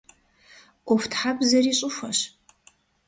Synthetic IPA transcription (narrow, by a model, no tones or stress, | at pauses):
ʔʷɔftʰħabzɐriːɕʼʊfʷɐɕ